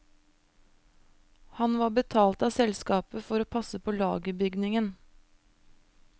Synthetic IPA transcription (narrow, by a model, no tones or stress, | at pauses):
hɑnʋɑːbət̪ʰɑːlt̪ɑːsɛlskɑːpəfɔɾoːpʰɑsəpʰoːlɑ̰ːɡəbʏɡnɪŋən